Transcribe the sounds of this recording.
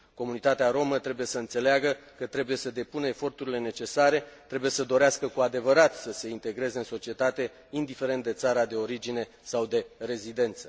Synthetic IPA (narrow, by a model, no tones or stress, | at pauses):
ko̞munit̪at̪eaɾo̞mət̪ɾe̞buje̞səɨnt̪se̞leaɡəkət̪ɾe̞buje̞səd̪e̞punəefo̞rt̪uɾile̞ne̞t͡ʃe̞saɾe̞t̪ɾe̞buje̞səd̪o̞ɾeaskəkuad̪e̞vəɾat̪səse̞int̪e̞ɡɾe̞ze̞ɨnso̞t͡ʃie̞t̪at̪e̞ | ind̪ife̞ɾe̞nt̪̚d̪e̞t̪saɾad̪e̞o̞ɾid͡ʒine̞ | sawd̪e̞re̞zid̪e̞nt̪sə̥